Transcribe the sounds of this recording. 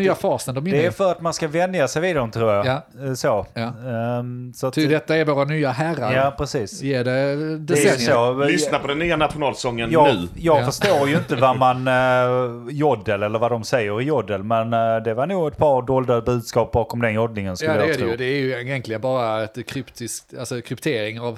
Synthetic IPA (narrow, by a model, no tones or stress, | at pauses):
yːafɑːsənd̪ɔmd̪ɛæjfœɾat̪manskavɛnd̪jasɛjvɪd̪ɔmt̪ʰɾuːɾjasoː | sɔat̪d̪ɛt̪ːaæɾvoːɾanyːaɦæɾaɾjaːpʰɾɛsiːsːɖɛd̪ɛɛsoːlʏsnaɾpʰɔd̪ɛnːyːanat̪ɧʊnɑːlsɔŋːənjɑːʉ̟ːjɑːɡfœʂt̪oːɾjɵɪnt̪əvaɾman | jɔd̪ːəlɛlːəɾvad̪ɔmsɛjːəɾɪjɔd̪ːəlmɛnd̪ɛvaɾɳuːɡɛt̪̚pʰɑːɾd̪oːld̪abʉ̟ːd̪skɑːp̚bɑːkɔmd̪ɛnjɔd̪nɪŋənskɵlːdɛɾjd̪ɛɾjjɛnk̪lɪɡənbɑːɾaɛt̪kʰɾʏpt̪ʰɪsalsɔkʰɾʏpt̪ʰeːɾɪŋav